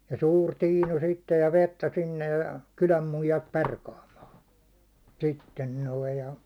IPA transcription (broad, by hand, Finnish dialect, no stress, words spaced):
jɑ suːr tiːnu sitːej jɑ ʋetːæ sinːej jɑ kylæm muijɑt perkɑːmɑːn̞ sitːen noi jɑ